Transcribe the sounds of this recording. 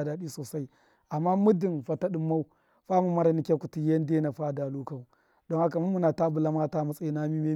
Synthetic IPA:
da˨ɗi˦soː˨sa˦i˦ | ʔa˨mːa˦mu˦di˨nɸa˨ta˦ɗi˨mːa˦u˦ | ɸa˦mu˨ma˦ɾa˨ni˦kʲe˦ku˨ti˨je˦n˦de˦na˨ɸa˦˨da˨lu˦ka˦mu˨ | do˦ŋha˦ka˨mu˦mu˦na˨ta˦bu˨la˦ma˦ta˦ma˨sʼa˦i˨˦na˦mi˦me˦

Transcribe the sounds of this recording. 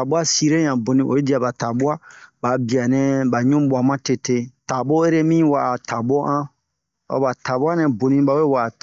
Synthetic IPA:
a˨bu˦a˦si˧ɾe˦ɲã˨bo˨nĩ˧ʔo̰˨i˦di˦a˨ba˨ta˨bu˦a˦ba˨bi˨a˨nɛ̃˨ba˨ɲũ˦ɓu˨a˨mã˦te˧te˧ta˨bo˦e˦ɾe˦mĩ˦wa˦˨a˨ta˨bo˦ʔã˦ | ɔ̰˨˦ba˨ta˨bu˦a˦nɛ̃˨bo˨nĩ˧ba˨we˦wa˨t

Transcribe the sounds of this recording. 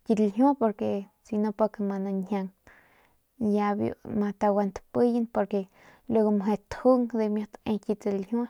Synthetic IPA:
ki˧t̪lɦju˦po˧ɾke˧ | si˧no˧po˧ke˧ma˧na˧nha˧ŋ | ja˧bjo̰˧˨ma˧t̪a˧wa˧nt̪pɨ˦ji˦npo˧ɾke˨ | lu˧ɡo˧m˨ɦe˧t̪hu˦ŋd̪e˧mjo˧t̪e˧ki˧t͡se˧lhʲju˦

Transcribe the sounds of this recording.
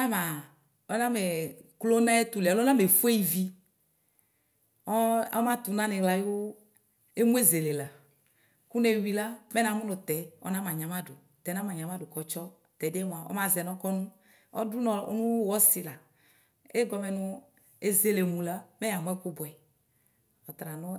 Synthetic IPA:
a˦mã˨ | ɔ˦nã˦me˨klo˦nã˦e˦t̪u˨le˨a˨lo˦nã˦me˨fu˦e˦i˨vi˦ | ɔ˦a˦mã˦t̪u˨nã˦nɛ˨ɡla˨jwo˦ | e˦mũ˦e˦ze˨le˨la˨ | ku˦ne˦wi˨la˦mɛ˦nã˨mũ˦nɔ̃˨t̪ɛ˨˦ɔ̰˦nã˦mã˨ɲã˨mã˦du˨ | t̪ɛ˨˦nã˦mã˨ɲã˨mã˦du˨kɔ˨t͡ʃɔ˦ | t̪ɛ˨de˦m̃˨ã˨ɔ̰˦mã˦zɛ˨nɔ̃˦kɔ˦nũ˦ | ɔ̰˦du˦nɔ˨˦nũ˦wɔ˦si˨la˨ | e˦ɡɔ˨mɛ˨nʊ̃˦ | e˦ze˦le˨mũ˨la˦mɛ̃˦ja˨m˦ɛ̃˦ku˦bɔ˨ɛ˨ | ɔ˨t̪ɾa˨nɔ̃˦

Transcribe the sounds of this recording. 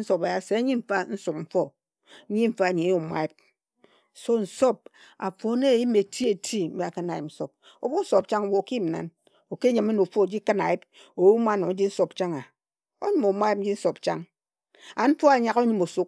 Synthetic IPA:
n̩˦so˨pa˨ja˨se˨a˦ɲi˦m̩˦fa˦n̩˦su˨k̚m̩˦fɔ˦ | ɲi˦m̩˦fa˦˨ɲi˨e˦o˨mʷa̰˦i˦p̚ | so˦n̩˨so˦p̚ | a̰˨fo˨˦ne˦˨ji˦me˨tʰi˦e˨tʰi˦m̩˦be˦a˨kɨ˦na˨ji˨p̚n̩˦so˨p̚ | o̰˨bu˦n̩˦so˨p̚t͡ʃa˦ŋo˨bo˨ki˦m̩˨na̰˨n | o˨ke˦ɲɨ˨me˦no˨fo˦˨d͡ʒi˦kɨ˦na̰˨ji˦p̚ | o˨wu˦ma˦˨no˨ŋ̩˦d͡ʒi˦n̩˦so˨pt͡ʃa˦ŋa˨ | o̰˦ɲɨ˦mo˨mʷa˦i˦d͡ʒi˦n̩˦so˨pt͡ʃa˦ŋ | a˨n̩˦fo˦a˨ɲa˦ko˦ɲɨ˦mo˨su˦k̚

